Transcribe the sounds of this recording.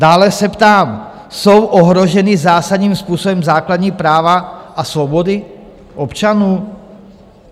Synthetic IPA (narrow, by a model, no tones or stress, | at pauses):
daːlɛsɛpt̪aːm | sowʔoɦɾoʒɛnɪzaːsadɲiːmspuːsobɛmzaːkladɲiːpɾaːvaʔasvobodɪ | ʔopt͡ʃanuː